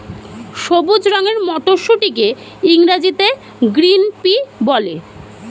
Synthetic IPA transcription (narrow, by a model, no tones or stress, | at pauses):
ʃobud͡ʑɾɔŋeɾmɔʈoʃuʈike | iŋɾad͡ʑit̪e | ɡɾinpibɔle